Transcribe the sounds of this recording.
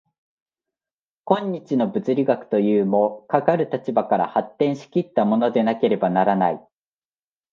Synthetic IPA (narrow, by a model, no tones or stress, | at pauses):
kõ̞ɲ̟ːit͡ɕino̞bɯ̟t͡sɨɾʲiɡakɯ̟̥t̪o̞jɯːmo̞kakaɾɯ̟t̪at͡ɕibakaɾa̰hat̪ːẽ̞ɰ̃ɕi̥kʲit̪ːamo̞no̞d̪e̞nake̞ɾe̞banaɾanai